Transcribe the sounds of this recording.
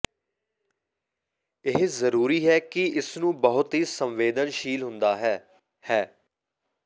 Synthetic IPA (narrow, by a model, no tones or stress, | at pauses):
ɪɦzəɾuːɾiːɦɛːkɪɪsnũːbəɦʊt̪ɦiːsəmʋeːd̪ənʃiːlɦʊnd̪aːɦɛː | hɛː